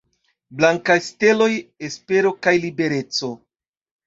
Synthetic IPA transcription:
blaŋkajste̞lo̞jespe̞ɾo̞kajlibe̞ɾe̞t͡so̞

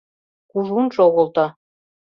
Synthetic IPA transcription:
kuʒunʃoɣŏlˠt̪ɑ̆

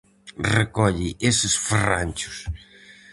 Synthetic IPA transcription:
rekɔʎɪʔesɪsferanʲt͡ʃʊ̥s

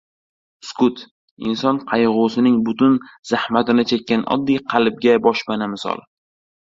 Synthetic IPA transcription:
skʊt̪ʰ | ɪnsɒnqʰɑjʁʊsɪnɪŋbʊt̪ʊnz̥ahmat̪ɪnɪt͡ʃʰekʲːanʔɒ̰d̪ːijqʰɑlɪb̚ɡʲabɒʃpanɪmɪsɒ̰lˠ

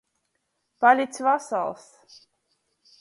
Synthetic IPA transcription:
palʲit̪sʲvasa̰lˠs

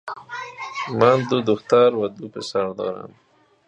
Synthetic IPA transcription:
mand̪ʊd̪ʊxt̪aɾwad̪upɪsaɾd̪ɔ̰ɾa̰m

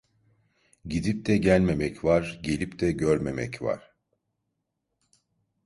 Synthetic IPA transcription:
ɟid̪ip̚t̪ʰɛɟælʲme̞mɛcvaɾɟe̞lʲipd̪ʰɛɟøɾme̞mɛ̰cva̰ɾ̥

